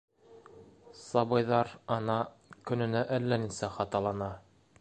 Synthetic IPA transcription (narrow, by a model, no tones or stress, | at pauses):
sɑβɤ̆jðɑɾɑnɑ | kɵ̆nɵ̆næʔælːæninsæχɑt̪ɑlˠɑnɑ